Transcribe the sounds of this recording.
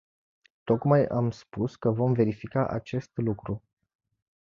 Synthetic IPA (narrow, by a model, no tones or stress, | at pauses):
t̪o̞kmajamspuskəvo̞mve̞ɾifikaʔat͡ʃe̞st̪lukɾu